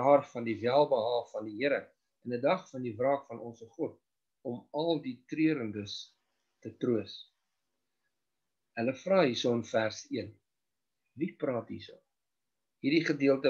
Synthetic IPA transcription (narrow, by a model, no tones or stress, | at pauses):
ɑːrfɐndivælˠbəɦɑːfɐndiɦiəɾə | ənədɐχfɐndivrɑːkfɐnʔɔnsəχɔt̚ | ɔmɐlˠditriəɾəndəs | tətruəs | ələfrɑːɦisoənfærsiən | viprɑːtɦḭso̰ | ɦiːrɾdiχədiəlˠtə